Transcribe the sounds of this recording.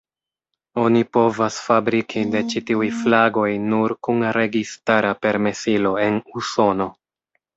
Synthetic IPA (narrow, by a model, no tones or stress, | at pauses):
o̞nipo̞vasfabɾikʰide̞t͡ʃitiujflaɡo̞jnuɾkunɾe̞ɡistaɾape̞ɾme̞silo̞e̞nuso̞no̞